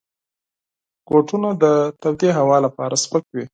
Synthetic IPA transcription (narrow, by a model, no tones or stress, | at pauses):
ɡ̥oʈunad̪ət̪abd̪eɦawɑlapɑɾaspəkwi